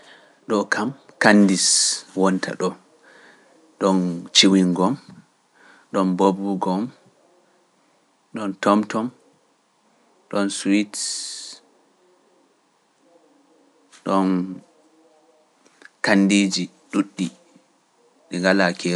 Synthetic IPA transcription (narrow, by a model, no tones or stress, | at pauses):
ɗɔkʰam | kanːdiswɔntʰa̰ɗɔ | ɗɔnt͡ʃiwiŋɡɔm | ɗɔnbobuɡɔm | ɗɔntɔmtɔm | ɗɔnswit | ɗɔn | kanːdid͡ʒi | ɗuɗːi | ɗɛŋɡalakʰɛ